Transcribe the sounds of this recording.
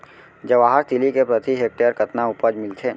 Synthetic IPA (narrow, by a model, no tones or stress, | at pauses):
d͡ʒɐʋaːɦəɾt̪ʰɪlikepɾɐt̪iɦeːk̚ʈejəɾkɐt̪naʊpəd͡ʒmɪlt̪ʰeː